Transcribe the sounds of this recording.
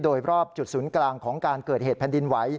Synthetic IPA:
doː˧jɾɔː˥˩p̚t͡ɕu˨˩t̪̚suː˩˦nklaː˧ŋkʰɔː˩˦ŋkaː˧nkɤː˨˩t̪̚heː˨˩t̪̚pʰɛː˨˩ndi˧nwa˩˦j

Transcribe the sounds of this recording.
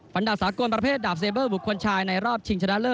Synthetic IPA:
fa˨˦nda˨˩saː˩˦ko˧npɾa˧pʰeː˥˩t̪̚daː˨˩p̚seː˧bɤː˥˩bu˨˩kʰːo˧nt͡ɕʰaː˧jna˧jɾɔː˥˩p̚t͡ɕʰi˧ŋt͡ɕʰa˧na˦˥lɤː˥˩

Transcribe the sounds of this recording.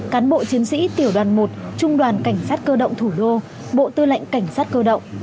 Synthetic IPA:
kaː˨˦nɓo̰˧˨t͡ɕi˨˦ənsḭ˧˥t̪i˧˩əwɗwaː˨˩nmo˨˩t̚t͡ɕʊ˧ŋ͡mɗwaː˨˩nka˧˩jŋ̟saː˦˥t̚kəː˧ɗə̰˧˨wŋ͡mt̪ʰu˧˩ɗo˧ | ɓo̰˧˨t̪ɨ˧la̰˧˨jŋ̟ka˧˩jŋ̟saː˦˥t̚kəː˧ɗə̰˧˨wŋ͡m

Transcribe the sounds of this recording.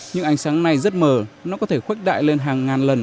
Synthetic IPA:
ɲɨ̰˧˥ŋʔa˧˩ŋsaː˨˦ŋna˨˩jzə˦˥t̚məː˨˩nɔ˨˦kɔ˨˦t̪ʰe˧˩xwe˦˥k̚ɗa̰ː˧˨jle˧nɦaː˨˩ŋːaː˨˩nlə˨˩n

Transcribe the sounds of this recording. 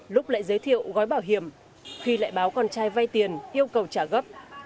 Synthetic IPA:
lʊ˦˥k͡p̚la̰ː˧˨jzə˨˦jt̪ʰḭ˧˨əwɣɔ˨˦jɓaː˧˩wɦi˧˩əm | xi˧la̰ː˧˨jɓaː˨˦wkɔ˧nt͡ɕaː˧jva˧jt̪i˨˩ənʔi˧əwkə˨˩wt͡ɕaː˧˩ɣə˦˥p̚

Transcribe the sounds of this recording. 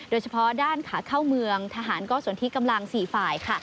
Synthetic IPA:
doː˧jt͡ɕʰa˧pʰɔ˦˥daː˥˩nkʰaː˩˦kʰaː˥˩wmɯ˧əŋt̪ʰaː˧ɦaː˩˦nkɔː˥˩su˨˩˦nt̪i˦˥˩ka˧mla˧ŋsiː˨˩faː˨˩jkʰa˥˩

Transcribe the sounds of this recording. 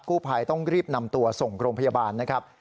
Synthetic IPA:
kːuː˥˩pʰaː˧jt̪ɔ˥˩ŋɾiː˥˩p̚na˧mt̪u˧ɐso˨˩ŋɾoː˧ŋmpʰa˧jaː˧baː˧nːa˦˥kʰa˦˥p̚

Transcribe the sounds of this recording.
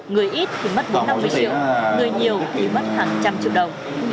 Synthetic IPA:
ŋɨ˨˩əjʔi˦˥t̚t̪ʰi˨˩mə˦˥t̚kɨ˨˧˦na˧mːɨ˧əjt͡ɕḭ˧˨wŋɨ˨˩əjɲi˨˩əwt̪ʰi˨˩mə˦˥t̚haː˨˩ŋt͡ɕa˧mt͡ɕḭ˧˨əwɗə˨˩wŋ͡m

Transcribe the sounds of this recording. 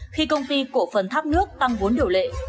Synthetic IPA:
xi˧kə˧wŋ͡mt̪i˧ku˧˩əfə˨˩nt̪ʰa˦˥p̚nɨ˦˥ək̚t̪a˧ŋvo˨˦nɗi˧˩əwlḛ˧˨

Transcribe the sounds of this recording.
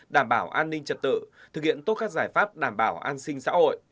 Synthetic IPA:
ɗaː˧˩mɓaː˧˩wʔaː˧nːï˧ŋ̟t͡ɕə˨˩t̚t̪ɨ̰˧˨t̪ʰɨ˨˩k̚hḭ˧˨ənt̪o˦˥t̚kaː˦˥k̚zaː˧˩jfaː˦˥p̚ɗaː˧˩mɓaː˧˩wʔaː˧nsï˧ŋ̟sa̰ː˧˥ho̰˧˨j

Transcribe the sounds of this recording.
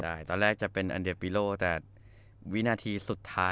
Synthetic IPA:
daː˥˩jt̪ɔː˧nɾɛː˥˩k̚t͡ɕa˨˩pe˧nʔa̰˧nde˨˩pi˧loː˥˩t̪ɛː˨˩ | wi˦˥naː˧t̪ʰiː˧su˨˩t̪ʰːaː˦˥

